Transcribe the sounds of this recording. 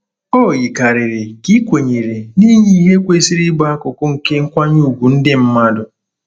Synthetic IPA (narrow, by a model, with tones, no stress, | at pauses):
o˦˨ji˨ka˨ɾɪ˨ɾɪ˨ki˦kʷe˨ɲe˨ɾe˨ni˦ɲi˦i˦ɦe˦kʷe˦si˦ɾi˦ɡ͡ba˦a˦kʊ˨kʊ˦ŋ̩˨ke˦ŋ̩˦kʷa˦ɲu˦˨ɡʷu˨n̩˦dɪ˦m̩˦ma˦dʊ˨